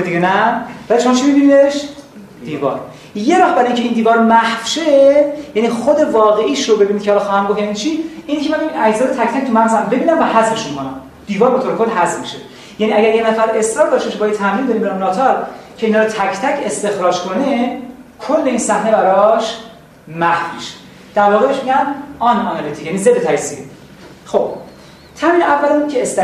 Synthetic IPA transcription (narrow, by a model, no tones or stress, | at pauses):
d̪iɟenævælit͡ʃomt͡ʃʰimibinid̪eʃ | dd̪̥iːvɒ̰ːɾ | je̞ɾɒːhbæɾiicʰe̞iːnd̪iːvɒːɾmæhfʃejæniːxod̪e̞vɒːɣe̞ʔiːʃɾobe̞binid̪̥̚cʰeɒlɒxɒːhæmɡofjænit͡ʃʰiiːnicʰʲemæmbinæd͡ʒzɒːd̪et̪ʰæcʰt̪ʰæc̚t̪ʰumænzæmbe̞biːnæmvæhæzme̞ʃukʰonæm | d̪̥iːvɒːɾbe̞t̪ʰoːɾekʰo̞lːɦæzmmiʃe | jæniæɟæɾjenæfæɾe̞sɾɒːɾd̪ɒːʃt̪imcʰe̞bɒːjæd̪̚t̪ʰæmjiːnd̪ɒɾimbæɾunɒːt̪ʰɒɾcʰe̞inhɒːɾot̪ʰæcʰt̪ʰæcʰe̞st̪e̞xɾɒːd͡ʒkʰo̞nekʰo̞lːe̞iːnsæhne̞bæɾɒʃ | mæhmiʃe̥ | d̪̥æɾvɒːɣebe̞ʃmiɟæmɒnɒnɑlit̪ʰi̥ːcʰjænize̞d̪et̪ʰæcsi | xo̞b̥̚ | t̪ʰæmiːnævːælæmcʰeːst̪